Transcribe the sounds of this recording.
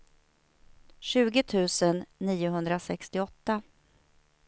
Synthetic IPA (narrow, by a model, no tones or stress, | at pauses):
ɕʉ̟ːɡət̪ʰʉ̟ːsənːiːʊɦɵnd̪ɾasɛkst̪ɪɔt̪ːa